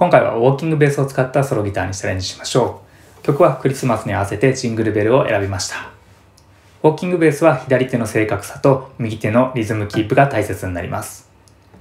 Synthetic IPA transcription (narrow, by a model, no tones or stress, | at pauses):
kõ̞ŋkaiβa̰βo̞ːkʲĩŋɡɯ̟be̞ːsɨo̞t͡sɨ̥kat̪ːaso̞ɾo̞ɡʲit̪aːɲ̟isaɾẽ̞ɲ̟d͡ʑiɕi̥maɕo̞ː | kʲokɯ̟βakɯ̟ɾʲisɨmasɨɲ̟iaβase̞t̪e̞ʑĩŋɡɯ̟ɾɯ̟be̞ɾɯ̟o̞ʔe̞ɾabʲimaɕi̥t̪ḁ | βo̞ːkʲĩŋɡɯ̟be̞ːsɨβaçid̪aɾʲit̪e̞no̞se̞ːkakɯ̟̥sḁt̪o̞mʲiɡʲit̪e̞no̞ɾʲizɨmɯ̟kʲiːpːɯ̟ɡat̪aise̞t͡sɨɲ̟ina̰ɾʲḭma̰sɨ̥